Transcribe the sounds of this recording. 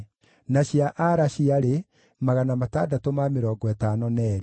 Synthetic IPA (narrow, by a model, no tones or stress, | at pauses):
naɕiaʔaɾaɕiaɾe | maɣanamataːdatomameɾɔːɡɔɛtaːnɔnɛːɾe